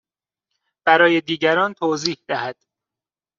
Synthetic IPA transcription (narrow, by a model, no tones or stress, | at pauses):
b̥æɾɒːje̞d̪iːɟæɾɒːnt̪ʰoːziːhd̪æhæd̪̥